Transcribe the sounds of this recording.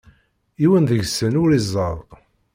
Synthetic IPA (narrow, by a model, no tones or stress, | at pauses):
iwənðəʝsənʊɾizˤːəðˤ